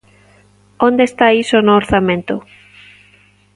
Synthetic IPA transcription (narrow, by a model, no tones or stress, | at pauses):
ond̪est̪aisonoːɾθamẽnt̪ʊ